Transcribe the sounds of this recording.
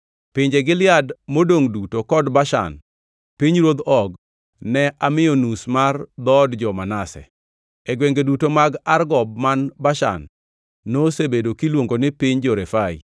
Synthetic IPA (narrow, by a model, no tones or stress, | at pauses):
pɪɲd͡ʒeɡɪlɪadmodoŋdutokɔdbaʃa̰n | piɲɾwod̪ɔɡ | nɛʔamɪjonusmard̪ɔdd͡ʒɔmanasɛ̰ | ɛɡweŋɡedutomaɡarɡɔb̚manbaʃa̰nː | osebedokilwoŋɡonɪpiɲd͡ʒɔɾɛfaḭ